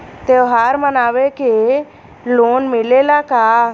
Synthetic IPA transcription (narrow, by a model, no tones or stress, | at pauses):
t̪eːoɦaːɾmənaːʋeke | loːnmɪleːlakaː